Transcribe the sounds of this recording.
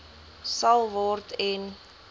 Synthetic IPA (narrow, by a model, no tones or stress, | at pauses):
sɐlˠvɔrtʰɛn